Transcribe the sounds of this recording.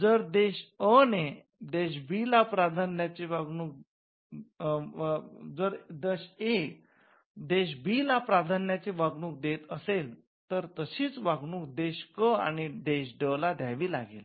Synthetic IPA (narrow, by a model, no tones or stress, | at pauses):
d͡zəɾd̪eɕəne | d̪eɕ̬bʱilapɾad̪ʱanjat͡ɕiʋaɡnuːk̚ | d͡zəɾd̪eɕek | d̪eɕ̬bʱiːlapɾad̪ʱanjat͡ɕiʋaɡnuːk̚d̪et̪əsel | t̪əɾt̪əɕiːt͡sʋaɡɳuːk̚d̪eɕkəa̰ɽ̃iɖ̪eɕɖəlad̪ʱjaʋiːla̰ɡḛl